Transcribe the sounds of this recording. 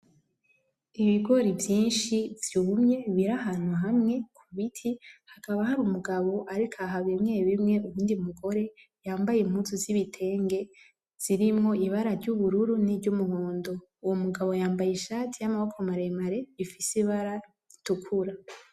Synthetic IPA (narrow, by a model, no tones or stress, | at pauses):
iβiɡo̞ɾivjiːnʃiv̥umɲe̞βiɾaɦanwwaɦamŋe̞kʰuβitʰihakaβahaɾumuɡaβo̞ʔaɾikʰaɦaβimŋe̞ːβimŋe̞uβuːndimuɡo̞ɾe̞ | jaːmbajem̥huzuziβitʰe̞ːŋɡe̞ | z̥iɾimŋo̞iβaɾaɾɟuβuɾuɾunivɟumuhoːndo̞ | uwomuɡaβo̞jaːmbajeʃaːtʰijamaβokʰomaɾemaɾe̞βifisiβaɾa | tukʰuɾa